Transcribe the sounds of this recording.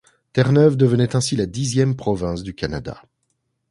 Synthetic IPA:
t̪ɛʁnœvd̪əvənɛt̪ɛ̃silad̪izjɛmpχɔvɛ̃sd̪ykana̰d̪a̰

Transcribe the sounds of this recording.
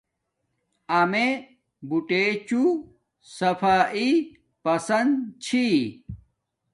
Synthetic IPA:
ɐme | buʈet͡ɕu | sɐfaːʔi | pɐsɐnd̪t͡ɕʰi

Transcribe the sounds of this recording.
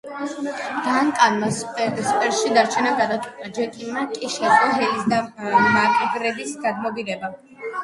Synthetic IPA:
d̪̥ankʼanmasspʼɛɾʃid̪aɾt͡ʃʰɛnaɡad̪at̪ʼkʼit̪ʼad͡ʒɛkʼimakʼiʃɛχʼɔɦɛlisd̪amakʼɡɾɛd̪isɡad̪mɔbiɾɛba

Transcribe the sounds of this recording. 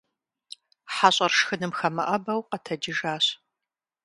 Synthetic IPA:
ħaɕʼɐrʂxɨnɨmxɐmɐ̰ʔɐbɐwqɐtʰɐd͡ʒɪʒaːɕ

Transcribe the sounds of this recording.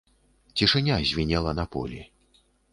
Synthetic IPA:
t͡sʲiʂɨnʲazʲvʲinʲɛlˠɐnɐpɔ̰lʲi

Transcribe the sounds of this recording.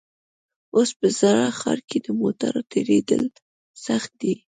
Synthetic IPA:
ospəzaɾɑxɑ̰ɾked̪əmot̪a̰ɾot̪ʰeɾed̪əl | saxt̪̚d̪i

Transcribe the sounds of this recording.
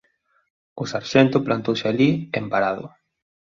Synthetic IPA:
ʊsaɾʃent̪ʊplant̪owsɪaliempaɾað̞ʊ̰

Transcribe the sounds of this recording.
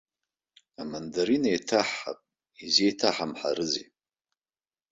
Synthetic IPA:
amandaɾinajtʰaħːa̰pʼ | izejtʰaħamħa̰ɾɨzḛ

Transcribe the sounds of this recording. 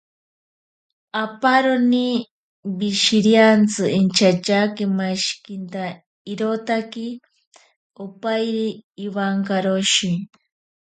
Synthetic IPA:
apaɾoni | biʃiɾjant͡sɨʔint͡ʃat͡ʃakemaʃkint̪a | iɾot̪aki | opajɾiːwaŋkaɾoʃi

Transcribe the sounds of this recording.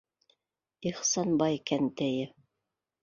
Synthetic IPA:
iχsɑnbɑjkænt̪æjɘ

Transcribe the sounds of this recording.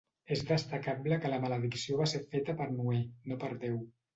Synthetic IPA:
ezðəst̪əkabləkələmələðiksioβaseɾfet̪əpəɾnuenopəɾðew

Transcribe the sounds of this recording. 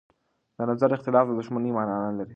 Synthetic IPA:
d̪ənazaɾɪxt̪ɪlɑflad̪ʊʃmanimananalaɾi

